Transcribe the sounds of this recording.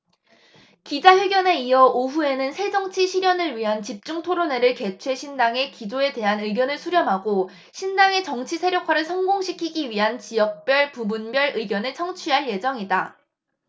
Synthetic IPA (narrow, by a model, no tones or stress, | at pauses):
kid͡ʑajeɡjʌne̞ijʌoɸue̞nɯnsʰe̞d͡ʑʌŋt͡ɕʰiɕʰiɾjʌnɯɭɥiɦant͡ɕip̚t͡ɕ͈uŋtʰoɾone̞ɾɯɭke̞t͡ɕʰwe̞ɕʰindaŋe̞kid͡ʑoe̞de̞ɦanɯiɡjʌnɯɭsʰuɾjʌmɦaɡo | ɕʰindaŋe̞t͡ɕʌŋt͡ɕʰisʰeɾjokʰwaɾɯɭsʰʌŋɡoŋɕʰikʰiɡiɥiɦant͡ɕijʌk̚p͈jʌɭpubunbjʌɾɯiɡjʌnet͡ɕʰʌŋt͡ɕʰiɦaɭje̞d͡ʑʌŋida